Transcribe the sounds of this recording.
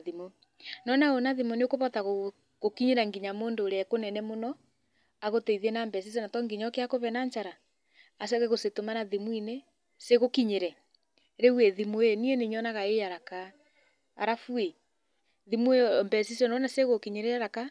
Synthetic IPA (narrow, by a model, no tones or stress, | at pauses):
ðimo | nɔnaonaðimoneokoβɔtaɣo | ɣokiɲeɾaŋɡiɲamoːndoɾeɛkonɛnɛmonɔ | aɣotɛiðiɛnambɛsis̬ɔnatɔŋɡiɲɔkeakoβɛnaɲt͡ʃaɾaː | s̬ɛɣɛɣosetomanaðimwine | seɣokiɲeɾɛ | ɾeuɛðimoeniɛneɲɔnaɣaejaɾaka̰ː | ɾafue | ðimumbɛsisɔnɔnaseɣokiɲeɾɛaɾaka